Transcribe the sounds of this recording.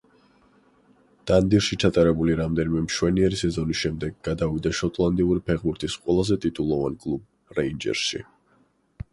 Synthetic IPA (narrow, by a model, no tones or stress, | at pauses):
d̪̥and̪iɾʃit͡ʃʰat̪ʼaɾɛbuliɾamd̪ɛnimɛmʃwɛniɛɾisɛzɔnisʃɛmd̪ɛɡɡad̪avid̪aʃɔt̪ʼlˠand̪iuɾipʰɛʁbuɾt̪ʰisqʼwɛlˠazɛt̪ʼit̪ʼulˠɔvankʼlˠub̚ | ɾɛind͡ʒɛ̰ɾsʃḭ